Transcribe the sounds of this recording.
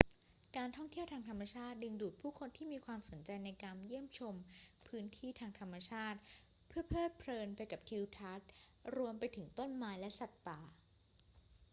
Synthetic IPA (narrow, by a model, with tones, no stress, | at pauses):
kaː˧nt̪ʰɔ˥˩ŋt̪ʰi˥˩əwt̪ʰaː˧ŋt̪ʰa˧mːa˧t͡ɕʰaː˥˩t̪̚dɯ˧ŋduː˨˩t̪̚pʰuː˥˩kʰo˧nt̪ʰiː˥˩miː˧kʰwaː˧mso˩˦nt͡ɕa˧jna˧jkaː˧nji˥˩əmt͡ɕʰo˧mpʰɯː˦˥nt̪ʰiː˥˩t̪ʰaː˧ŋt̪ʰa˧mːa˧t͡ɕʰaː˥˩t̪̚ | pʰɯ˥˩ɐpʰɤː˥˩t̪̚pʰlɤː˧npa˧jka˨˩p̚t̪ʰi˧wt̪ʰa˦˥t̪̚ɾu˧əmpa˧jt̪ʰɯ˩˦ŋt̪o˥˩nmaː˧˥jlɛ˦˥sa˨˩t̪̚paː˨˩